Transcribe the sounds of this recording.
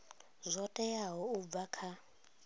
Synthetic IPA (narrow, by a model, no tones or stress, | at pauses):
zʷɔtʼɛjaɦɔub̪vakʰa